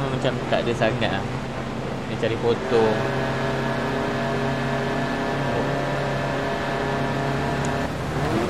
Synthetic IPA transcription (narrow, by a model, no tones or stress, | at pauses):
mamat͡ʃamt̪a̰ʔdəsaŋaʔa | nat͡ʃaɾipot̪ɔŋ